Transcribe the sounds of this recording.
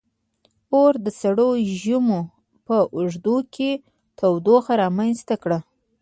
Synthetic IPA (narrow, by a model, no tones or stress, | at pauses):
oɾd̪əsaɽoʒumo | pəʔʊʐd̪ukʰe | t̪awd̪oxaɾɑmanst̪akɽa